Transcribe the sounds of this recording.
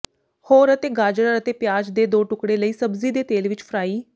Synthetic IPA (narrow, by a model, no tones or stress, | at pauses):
hoːɾət̪eːɡaːd͡ʒəɽəɾət̪eːpjaːd͡ʒd̪eːd̪oːʈʊkɽeːləiːsəbziːd̪eːt̪eːlʋɪt͡ʃpʰɾaːiː